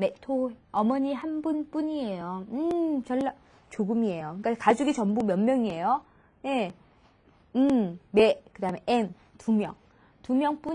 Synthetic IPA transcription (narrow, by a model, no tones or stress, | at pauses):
metʰoʌmʌɲiɦanbunp͈uɲie̞joɯt͡ɕʌɭːa | t͡ɕoɡɯmie̞joɯk͈akad͡ʑuɡit͡ɕʌmbumjʌnmːjʌŋie̞jo | je | ɯmmekɯdaɦme̞ʔen | tumjʌŋ | tumjʌŋp͈u